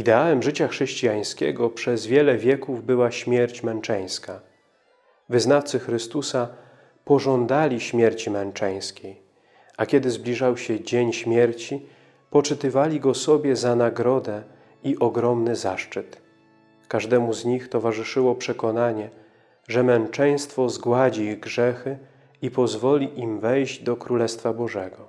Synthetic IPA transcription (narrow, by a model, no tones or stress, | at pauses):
id̪ɛawɛmʐɘt͡ɕaxʂɛɕt͡ɕijaj̃skʲɛ̰ɡɔpʂɛzvʲjɛlɛvʲjɛkuvbɘwaɕmʲjɛɾt͡ɕmɛnt͡ʂɛj̃ska | vɘznaft̪sɘxɾɘst̪usa | pɔʐɔnd̪alʲiɕmʲjɛɾt͡ɕimɛnt͡ʂɛj̃skʲej | akʲjɛd̪ɘzblʲiʐawɕɛd͡ʑeɲɕmʲjɛɾt͡ɕi | pɔt͡ʂɘt̪ɘvalʲiɡɔsɔbʲjɛzanaɡɾɔd̪ɛ | iʔɔɡɾɔmnɘzaʂt͡ʂɘt̪ | kaʐd̪ɛmuzɲixt̪ɔvaʐɘʂɘwɔpʂɛkɔnaɲɛ | ʐɛmɛnt͡ʂɛj̃st̪fɔzɡwad͡ʑiiɣɡʐɛxɘ | ipɔzvɔlʲiʔimvɛjʑd͡ʑd̪ɔkɾulɛst̪fabɔʐɛɡɔ